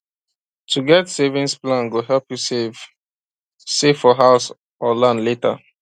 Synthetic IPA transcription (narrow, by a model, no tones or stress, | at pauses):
tʰuɡɛtsevĩnsplãnɡoɦɛlpjue | sefɔɦaʊs | ɔlãnletə̰